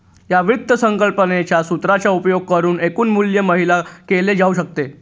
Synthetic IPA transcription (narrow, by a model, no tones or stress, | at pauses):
jaʋut̪ːəsəŋkəlpənet͡ɕjasut̪ɾat͡ɕjaupjoɡ̚kəɾuːnekuːnmuljəməɦilakeled͡zauɕək̚t̪e